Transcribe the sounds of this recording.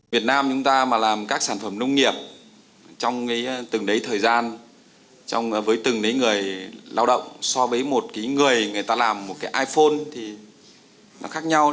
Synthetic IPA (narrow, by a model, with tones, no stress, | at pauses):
vi˨˩ət̚naː˧mt͡ɕʊ˨˦ŋ͡mt̪aː˧maː˨˩laː˨˩mkaː˦˥k̚saː˧˩nfə˧˩mnə˧wŋ͡mŋi˨˩əp̚ | t͡ɕɔ˧wŋ͡mka˨˦jt̪ɨ˨˩ŋɗə˨˦jt̪ʰəː˨˩jzaː˧n | t͡ɕɔ̰˧wŋ͡mvəː˨˦jt̪ɨ˨˩ŋɗə˨˦jŋɨ˨˩əjla̰ː˧wɗə̰˧˨wŋ͡msɔ˧vəː˨˦jmo˨˩t̚kaː˨˦jŋɨ˨˩əjŋɨ˨˩əjt̪aː˧laː˨˩mːo˨˩t̚kaː˨˦jʔaː˧jfo˧nt̪ʰi˨˩ | nɔ̰˨˦xaː˦˥k̚ɲa˧w